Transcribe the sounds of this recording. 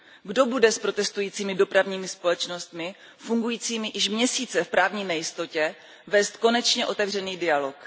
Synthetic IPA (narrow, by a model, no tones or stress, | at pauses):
ɡdo̞budɛspɾo̞t̪ɛst̪ujiːt͡siːmɪdo̞pɾavɲiːmɪspo̞lɛt͡ʃno̞st̪mɪ | fuŋɡujiːt͡siːmɪjɪʃmɲɛsiːt͡sɛfpɾaːvɲiːnɛjɪst̪o̞cɛ | vɛst̪ko̞nɛt͡ʃɲɛʔo̞t̪ɛvrɛniːdɪalo̞k